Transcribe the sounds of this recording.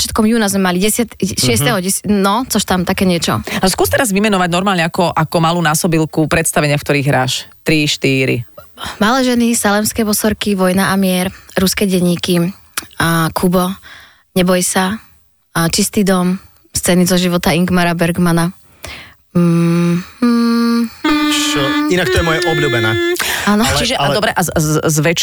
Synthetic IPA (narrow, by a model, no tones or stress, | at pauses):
t͡ʃɪat̪kɔmjuːnazmɛmaliɟɛsat̪ʃɪɛst̪ɛɦɔɟɛsnɔt͡sɔʃt̪amt̪akɛːɲɪɛt͡ʃɔ̰skuːst̪ɛɾazʋimɛnɔʋaɟnɔɾmaːlɲɛakɔʔakɔmaluːnaːsɔbilˠkupɾɛt̪st̪aʋɛɲɪafkt̪ɔɾiːɣɦɾaːʃt̪ɾiʃt̪iːɾḭmalɛːʒɛnisalɛmskɛːbɔsɔɾkiʋɔjnaʔamɪɛɾɾuskɛːɟɛɲːiːki | kʰubɔ | ɲɛbɔjsa | t͡ʃist̪iːd̪ɔm | st͡sɛnizɔʒiʋɔt̪aiŋɡmaɾabɛɾɡmana | inak̚t̪ɔjɛmɔjɛʔɔbluːbɛna̰ːaːnɔt͡ʃiʒɛadɔbɾɛʔazʋɛt͡ʃ